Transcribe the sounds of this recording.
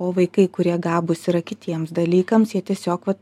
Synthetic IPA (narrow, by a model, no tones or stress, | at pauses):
oːʋɐɪkɐɪkʊɾʲiɛɡɑːbʊsɪɾɐkʲɪt̪ʲiɛmsd̪ɐlʲiːkɐmsjiɛt̪ʲiɛsʲoːkʋɐt̪